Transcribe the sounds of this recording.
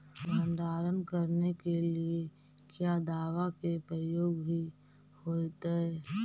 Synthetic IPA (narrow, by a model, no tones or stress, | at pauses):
bãnd̪aːɾəmbʱkəɾnekelie | kjaːd̪aːʋakepɾəjoːɡbʱi | hoːt̪eɦɛː